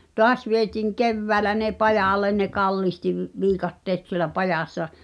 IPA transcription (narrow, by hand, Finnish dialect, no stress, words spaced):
toɑs ʋietiːŋ keʋːæːlæ ne pɑjɑˑlen ne kɑlːihti ʋ ʋiːkɑtːeːt sielæ pɑjɑˑsːɑ